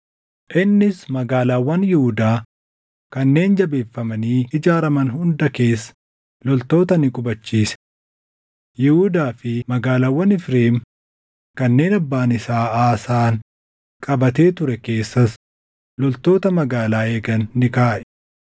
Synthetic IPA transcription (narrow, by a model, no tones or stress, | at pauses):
ʔɪnːɪsmɐɡaːlaːwːɐnjɪhʊd̪aː | kɐnːe̞ːnd͡ʒɐbe̞ːfːɐmɐniːɪd͡ʒaːɾɐmɐnɦʊnd̪ɐke̞ːsːɐ̥ | lɔlt̪o̞ːt̪ɐnɪkʼʊbɐt͡ʃːiːsɛ̥ | jɪhud̪aːfɪmɐɡaːlaːwːɐnɪfɾeːm | kɐnːe̞ːnɐbːaːnɪsaːaːsaːn | kʼɐbɐt̪e̞ːt̪ʊɾɛke̞ːsːɐs | lɔlt̪o̞ːt̪ɐmɐɡaːlaːeːɡɐnːɪkaːʔɛ̥